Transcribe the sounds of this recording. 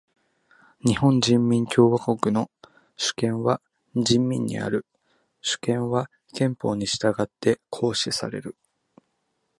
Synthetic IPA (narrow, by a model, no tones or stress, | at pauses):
ɲihõ̞ɲd͡ʑĩmːʲĩŋkʲo̞ːβako̞kɯ̟no̞ | ɕɨ̥kẽ̞ɰ̃βa | d͡ʑĩmːʲḭ̃ɲ̟ːḭa̰ɾɯ̟ | ɕɨ̥kẽ̞ɰ̃βa | kẽ̞mpo̞ːɲ̟iɕi̥t̪aɡat̪ːe̞kʰo̞ːɕisa̰ɾe̞̰ɾɯ̟